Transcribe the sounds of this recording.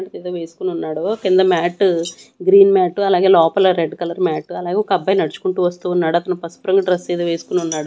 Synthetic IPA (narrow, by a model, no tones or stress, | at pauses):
ʈt̪eːd̪oʋeːsu̥kuniunːaːɽukind̪ɐmaːʈuɡɾiːnmaːʈuɐlaːɡe̞ːlɔːpɐlɐɾeɖkɐlɐɾmaːʈuɐlaːɡeɔkɐbːɐjnɐɽt͡ʃu̥kuɳʈuːʋɐst̪uːnːaːɽuɐt̪ɐnɐpɐspɾɐŋɡɖɾɐseːd̪oːʋeːsu̥kuniunːaːɽu